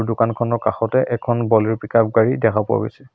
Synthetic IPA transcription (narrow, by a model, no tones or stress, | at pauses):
dʊkankʰɔnɔɹkaxɔtɛʔɛkʰɔnbɔliɹpikap̚ɡaɹidɛkʰapua̰ɡojsɛ